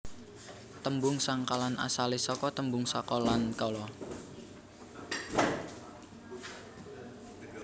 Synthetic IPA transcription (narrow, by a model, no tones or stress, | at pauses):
t̪əmbʊŋsaŋkalana̰salisɔkɔt̪əmbʊŋsakɔlankɔlɔ